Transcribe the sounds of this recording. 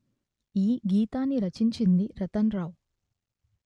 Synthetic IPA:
iːɡiːt̪aːnːiɾɐt͡ʃiɲt͡ʃind̪iɾɐt̪ɐnɾaːw

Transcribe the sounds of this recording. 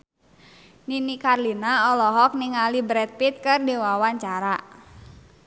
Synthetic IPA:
ninikarlinaɔlɔɦɔk̚niŋalibɾɛt̪̚pit̪̚kɨrdiwawaɲt͡ʃaɾa

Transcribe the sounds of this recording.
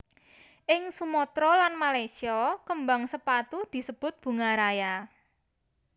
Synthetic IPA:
ʔɪŋsumɔt̪ɾɔlanmalasiɔkəmbaŋsəpat̪ud̪̥i̤səb̥ʊt̪̚b̥ṳŋaɾaja

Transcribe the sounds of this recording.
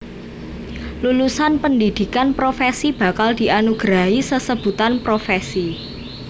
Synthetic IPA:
lulusanpəndid̪̥i̤kanpɾofesib̥a̤kald̪̥i̤anuɡ̥ɾaɦisəsəb̥ṳt̪anpɾofesi

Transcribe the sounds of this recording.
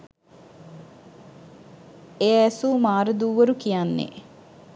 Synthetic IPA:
eːsuːmaːɾəd̪uːʋəɾukijanːḛ

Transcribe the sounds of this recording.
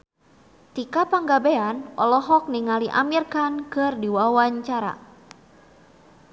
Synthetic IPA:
t̪ikapəŋɡabeanɔ̰lɔɦɔk̚niŋaliʔa̰mirkankɨrdiwawaɲt͡ʃaɾa̰

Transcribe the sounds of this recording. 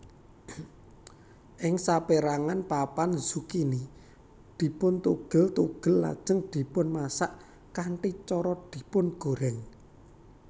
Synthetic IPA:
ʔɪŋsapeɾaŋanpapanz̥ukini | d̪̥i̤pʊnt̪uɡ̥ə̤lt̪uɡ̥ə̤lːa̰d̥ʒ̥ə̤ŋd̪̥i̤pʊnmasaʔ | kaɳʈit͡ʃɔɾɔd̪̥i̤pʊnɡ̥o̤ɾɛŋ

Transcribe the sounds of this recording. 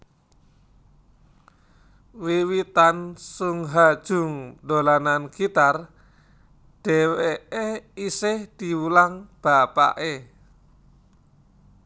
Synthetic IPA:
wiwit̪ansʊŋɦad̥ʒ̥ʊ̤ŋdolananɡ̥it̪ar | ɖ̥ɛ̤weʔeisɪhd̪̥i̤wulaŋb̥a̤pa̰ʔe

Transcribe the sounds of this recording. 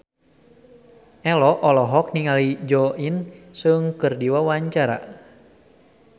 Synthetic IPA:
ʔɛlɔʔɔlɔɦɔk̚niŋalid͡ʒɔʔinsɨŋkɨrdiwawaɲt͡ʃaɾa̰

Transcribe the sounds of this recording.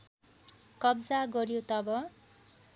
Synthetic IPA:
kʌbd͡zaɡʌɾjot̪ʌbʌ

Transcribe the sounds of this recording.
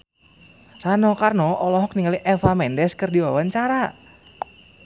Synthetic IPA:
ranɔkarnɔɔlɔɦɔk̚niŋaliʔɛfamɛndɛskərdiwawaɲt͡ʃaɾa

